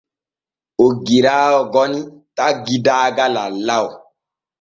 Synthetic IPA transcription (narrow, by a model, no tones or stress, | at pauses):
oɡiɾaːɔɡɔnitaɡidaːɡalalaw